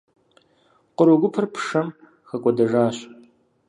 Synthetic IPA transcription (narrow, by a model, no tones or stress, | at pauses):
qəɾoɡʷʊpʰɐrpʰʂɐm | xɐkʷʼɔdɐʒaːɕ